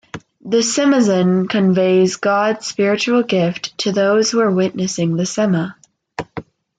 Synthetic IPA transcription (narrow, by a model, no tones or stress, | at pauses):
ðɨsɪmɨzɨ̃nkʰɨ̃ɱveɪzɡɑdz̥spɪɹɨt͡ʃul̩ˠɡɪftʰɨðoʊz̥huə˞wɪʔⁿnɨsɪ̃ŋðɨsɛmə